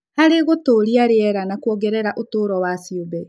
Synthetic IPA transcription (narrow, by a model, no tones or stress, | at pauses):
haɾeɣotoːɾiaɾeɛɾanakwɔɣɛɾɛɾaʔotoːɾɔwasiobɛ